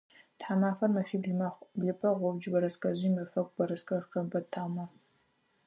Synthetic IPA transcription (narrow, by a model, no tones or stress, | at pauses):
tħamaːfɐrmɐfiːbɮmaχʷbɮɪpʰʼɐʁʷɔbd͡ʒbɐɾɐskʼɐʑiːmɐfɐkʷʼbɐɾɐskʼɐʁqɐbɐtʰaːmaːf